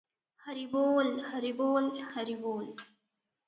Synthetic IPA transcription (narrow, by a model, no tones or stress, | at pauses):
haɾiboːlhaɾiboːlhaɾiboːl